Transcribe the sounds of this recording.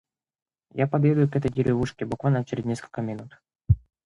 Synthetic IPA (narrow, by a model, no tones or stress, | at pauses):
japɐd̪jʲed̪ʊjʊkɛt̪əjdʲɪɾʲɪvuʂkʲɪbʊkvalʲnət͡ɕeɾʲɪznʲeskə̥lʲkəmʲɪnut̪